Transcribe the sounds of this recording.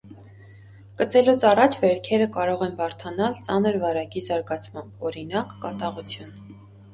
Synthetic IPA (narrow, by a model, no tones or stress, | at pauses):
kət͡sɛlut͡sʰɑrɑt͡ʃʰvɛɾkʰɛɾəkɑɾɔʁɛnbɑɾt̪ʰɑnɑlt͡sɑnəɾvɑɾɑkizɑɾɡɑt͡sʰmɑmbɔɾinɑkːɑt̪ɑʁut͡sʰjun